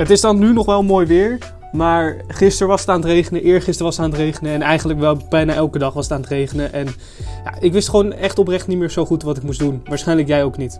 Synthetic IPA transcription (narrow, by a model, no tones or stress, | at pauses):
ɦətɪzdɑnːynɔχʋɛlˠmoːjʋɪːɹ | maːɹχɪstəɹʋɑsətaːnətrejχənəʔɪːɹχɪstəɹʋɑsətaːnətrejχənəɛnɛjχənləkʋɛlˠb̥ɛjnaːʔɛlˠkədɑχʋɑsə̥taːnətrejχənəʔɛn | ja̰ːʔɪkʋɪstχəʋownɛχtɔprɛχtnitmɪːɹzowχutʋɑtɪkmuzdunʋaːɹsχɛjnləkjɛjowknit